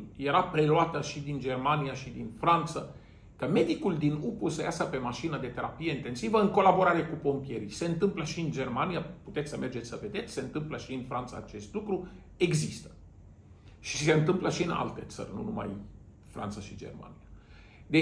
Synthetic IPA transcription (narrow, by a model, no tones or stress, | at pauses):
je̞ɾapɾe̞luat̪əʃid̪ind͡ʒe̞rmanijaʃid̪infɾant̪sə | kəme̞d̪ikuld̪inupusəjasəpe̞maʃinəd̪e̞t̪e̞ɾapije̞int̪e̞nsivəɨŋko̞labo̞ɾaɾekupo̞mpije̞ɾijse̞ɨnt̪ɨmpləʃiɨnd͡ʒe̞rmanijaput̪esʲsəme̞rd͡ʒet̪sʲsəve̞d̪e̞t̪sʲse̞ɨnt̪ɨmpləʃiɨnfɾant̪sa̰ːt͡ʃe̞st̪lukɾu | e̞ɡzist̪ə̥ | ʃi̥se̞ɨnt̪ɨmpləʃiɨna̰lt̪e̞t̪sə̰rʲnṵnuma̰j | fɾa̰nt̪saʃid͡ʒe̞̰rma̰nia | d̪e